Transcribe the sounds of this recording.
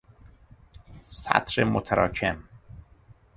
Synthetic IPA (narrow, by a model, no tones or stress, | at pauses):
sæ̰t̪ʰɾemot̪ʰæɾʔɑːcʰem